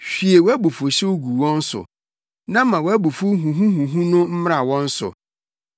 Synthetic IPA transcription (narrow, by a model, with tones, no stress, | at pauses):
ɕᶣi˨e˨wɔ˦æ˦bu˨fʊ˨ɕɛ˦wo˦ɡu˨wɔ̃˦n̩˦sʊ̰˨ | nã˦mã˨wɔ˨æ˦bu˨fu˦ɦũ˨ɦũ˦ɦũ˨ɦũ˦nʊ̃˦m̩˦m˦ɾa˨wɔ̃˦n̩˦sʊ̰˨